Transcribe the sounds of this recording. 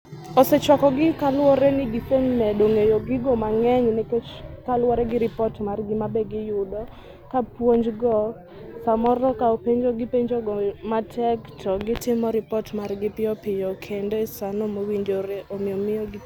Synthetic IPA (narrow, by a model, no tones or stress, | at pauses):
ɔsɛt͡ʃwakɔɡɪkalwɔɾɛnɪɡɪseɲmɛdoŋejoɡɪɡɔmaŋɛɲnɛket͡ʃkalwɔɾɛɡɪɾɪpɔtmarɡɪmabɛɡɪjʊdɔ | kapwoɲd͡ʒɡɔ | samɔɾɔkaopeɲd͡ʒoɡɪpeɲd͡ʒoɡɔmatʰɛktʰɔɡɪtɪmɔɾɪpɔtmarɡɪpɪɔpɪjɔkʰendesanɔmowiɲd͡ʒoɾeʔomɪɔmɪjɔɡɪ